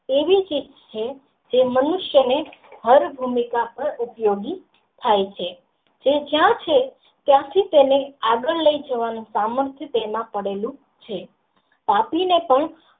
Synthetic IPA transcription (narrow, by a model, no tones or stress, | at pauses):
eʋit͡ʃid͡ʒt͡ʃʰe | d͡ʒemənʊʃjəneɦəɾbʱumikapəɾupjoɡi | t̪ʰajt͡ʃʰe | d͡ʒed͡ʒjãt͡ʃʰe | t̪jãt̪ʰit̪eneaɡəɭləid͡ʒəʋanũsaməɾt̪ʰjət̪emãpəɽelũ | t͡ʃʰe | papinepəɳ